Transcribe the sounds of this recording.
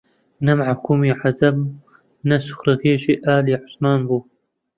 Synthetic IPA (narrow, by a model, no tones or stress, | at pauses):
nɐmaʕakuːmiːʕazɐb | nɐsu̥xɾɨɣeːʒiːʔaːliːʕʊsmaːnbuː